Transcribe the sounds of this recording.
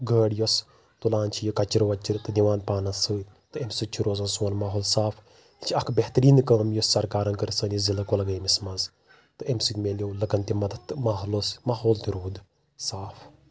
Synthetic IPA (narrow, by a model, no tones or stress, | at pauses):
ɡəːɽjɔs | t̪ulaːnt͡ʃʰijikɐt͡ʃiɾʋɐt͡ʃiɾt̪ɨd̪iʋaːnpaːnɐsəː | t̪ɨemʲsit͡ʃʰiɾoːzɐnsoːnmaːɦoːlsaːfʰ | it͡ʃʰiɐkʰbeɦt̪ɾiːnkɐːmjɔsɐɾkaːɾɐnkɐɾisɐːnjizilɐkolɐɡɐːmismɐz | t̪ɨemsikmeljowlɐkɐnt̪imɐd̪ɐt̪ɨmaːɦolosmaːɦoːlt̪iɾoːd̪ | saːf